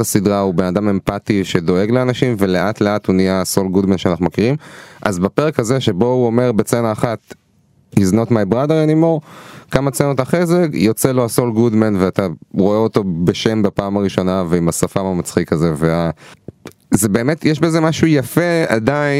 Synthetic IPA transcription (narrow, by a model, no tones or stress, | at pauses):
asidʁaube̞nadame̞mpatiʃe̞do̞e̞ɡleanaʃimve̞leʔatleathuniasolɡudmenʃeanaχnumakiʁimʔa̰zbapeʁekhaze̞ʃebo̞uome̞ʁbe̞t͡senaːχat | izno̞tmajbʁadeʁenimoʁkamat͡senot̪aχezeɡjo̞t͡selo̞hasolɡudmenveataʁoeo̞to̞be̞ʃe̞mbapaːmaʁiʃo̞naveimasafamamat͡sχikaze̞vea | zebe̞ːmetjeʃbe̞zemaʃujafe̞a̰dai